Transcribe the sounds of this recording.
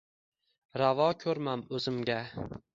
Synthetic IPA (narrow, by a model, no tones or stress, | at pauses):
ɾavɒkʲʰɵɾmamɵzɪmɡʲa